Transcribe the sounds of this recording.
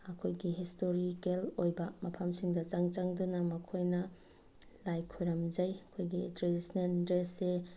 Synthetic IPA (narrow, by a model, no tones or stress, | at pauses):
ɐkʰojɡiɦistoɾikelojbɐmɐpʰɐmsiŋdɐt͡ʃaŋt͡ʃaŋdunɐmɐkʰojnɐ | lajkʰojɾɐmd͡ʒɐjɐkʰojɡitɾedisnendɾesːe